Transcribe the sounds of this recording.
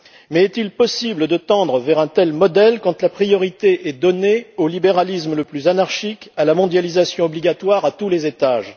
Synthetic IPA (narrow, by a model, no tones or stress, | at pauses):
mɛːt̪ilpɔsibləd̪ət̪ɑ̃d̪ʁəvɛʁɛ̃t̪ɛlmɔd̪ɛlkɑ̃t̪lapχijɔʁit̪eʔɛd̪ɔneolibeʁalismləplyzanaʁʃikalamɔ̃d̪jalizasjɔ̃ɔbliɡʲat̪waʁat̪ulezet̪aːʒ